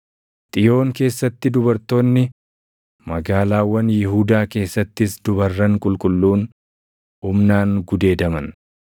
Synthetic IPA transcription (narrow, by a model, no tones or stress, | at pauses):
t̪ʼɪjo̞ːŋke̞ːsːɐt̪ːɪd̪ʊbɐɾt̪o̞ːnːɪ | mɐɡaːlaːwːɐnjɪɦuːd̪aːke̞ːsːɐt̪ːɪsd̪ʊbɐrːɐŋkʼʊlkʼʊlːuːn | ʊmnaːŋɡʊd̪e̞ːd̪ɐmɐn